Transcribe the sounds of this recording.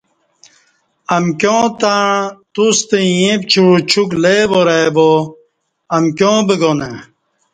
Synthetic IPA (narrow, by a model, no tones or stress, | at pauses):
ɐmkjõːt̪aɳt̪ust̪ejẽp̚t͡ɕʰuɻut͡ɕʰukleːboɾabo | ɐmkjõːbeɡone